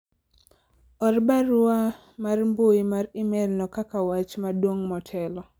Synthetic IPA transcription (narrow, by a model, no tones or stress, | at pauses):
ɔrbaɾʊa | marmbojmarɪmɛlnɔkakawat͡ʃmadwoŋmɔtʰɛlɔ